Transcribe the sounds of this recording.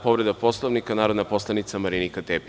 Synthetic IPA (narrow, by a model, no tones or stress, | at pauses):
po̞ʋɾe̞d̪apo̞slˠoʋnikanaːɾod̪naposlˠanit̪samaɾinikat̪eːp